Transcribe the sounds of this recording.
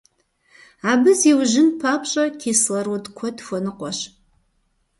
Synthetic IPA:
aːbɨziwʒɪnpʰaːpʰɕʼɐkʲʰeːslɐɾɔdkʷʰɔtʰxʷɔnɨqʷʼɔɕ

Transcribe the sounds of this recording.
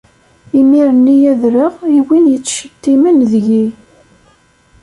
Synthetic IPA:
imiɾənːijæðɾəʁiwinjət͡sːʃə̥t̪ːimənðʝi

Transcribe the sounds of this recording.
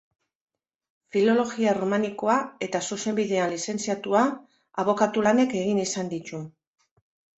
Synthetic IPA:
filo̞lo̞ɣiaromaniko̞ae̞t̪asuse̞mbiðe̞anlise̞nt͡siat̪ua | aβo̞kat̪ulane̞ke̞ɣinisand̪it͡ʃu

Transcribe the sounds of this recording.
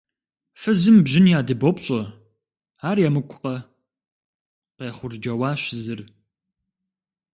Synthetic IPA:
fɨzɨmbʑɪnjaːdɨbopʼɕʼɐ | aːrjaːmɨkʷʰʼʊqʼɐ | qeːχʷʊrd͡ʒɐwaːʃzɨr

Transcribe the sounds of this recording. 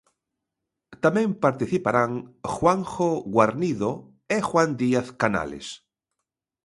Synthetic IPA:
t̪amẽmpaɾt̪iθipaɾaŋxwaŋxoɣwaɾniðo | exwand̪iaθkana̰lḛs

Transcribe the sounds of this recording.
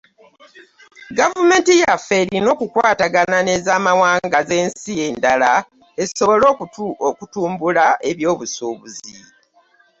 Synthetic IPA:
ɡavume̞ːntijafeːɾino̞ːkukwaːtaɡananezaːmawaːŋɡaze̞ːnsieːndala | e̞so̞βo̞lookutuːmbulaʔe̞βjo̞ːβusuːβuzi

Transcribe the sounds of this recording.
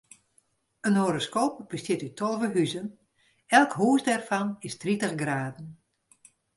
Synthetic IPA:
ənhoɾoskoːp̚b̥əstjɪtytʰɔlˠvəɦyzən | ɛlˠkɦuːsdɛrfɑnɪstritəxɡraːdən̩

